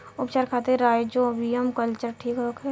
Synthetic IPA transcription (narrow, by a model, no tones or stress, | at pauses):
ʊpt͡ʃaːɾkʰaːt̪eɾaːjd͡ʒobʱiəmkəlt͡ʃəɾʈʰiːkɦokʰe